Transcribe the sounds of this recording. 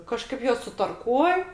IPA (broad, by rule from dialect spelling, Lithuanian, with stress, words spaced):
kɐˈʃkɐɪp ˈjuɔs sʊtɐrˈkuɔj